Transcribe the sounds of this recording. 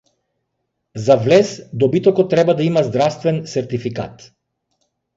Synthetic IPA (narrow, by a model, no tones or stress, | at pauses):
zavlɛsd̪ɔbit̪ɔkɔt̪ːɾɛbad̪aimazd̪ɾafst̪vɛnsɛɾt̪ifika̰t̪